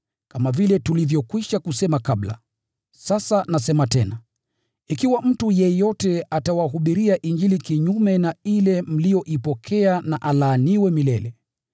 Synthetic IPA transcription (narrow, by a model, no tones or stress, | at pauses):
kamavilɛtulivjɔkwiʃakusɛmakabla̰ | sasanasɛmatɛna | ikiwam̩tujɛjɔtɛatawaɦuɓiɾiaʔiɲd͡ʒilikiɲumɛnailɛm̩lijɔʔipɔkʰɛanaʔalaːniwɛmilɛlɛ